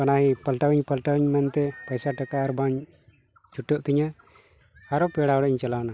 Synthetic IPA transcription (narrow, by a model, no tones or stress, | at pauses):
kanaɦipəlʈawiɲpəlʈawiɲmɛnt̪ɛpəjsaʈakaɾbaɲ | t͡ʃuʈːɔʔt̪iɲa | haɾɔpɛɽaɔɽɛʔɲt͡ʃalawna